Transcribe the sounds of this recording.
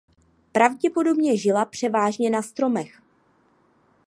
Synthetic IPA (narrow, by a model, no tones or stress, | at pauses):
pɾavɟɛpo̞do̞bɲɛʒɪlapr̝̥ɛvaːʒɲɛnast̪ɾo̞mɛx